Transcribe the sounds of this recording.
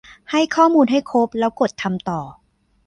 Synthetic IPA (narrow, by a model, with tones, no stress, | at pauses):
ha˥˩jkʰɔː˥˩muː˧nɦa˥˩jkʰo˦˥p̚lɛː˦˥wko˨˩t̪ʰːa˧mt̪ɔː˨˩